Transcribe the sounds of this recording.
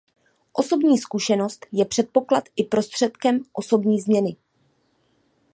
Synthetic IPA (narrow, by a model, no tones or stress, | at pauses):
ʔo̞so̞bɲiːskuʃɛno̞st̪jɛpr̝̥ɛt̪̚po̞klat̪ʔɪpɾo̞st̪r̝̥ɛt̪kɛmʔo̞so̞bɲiːzmɲɛnɪ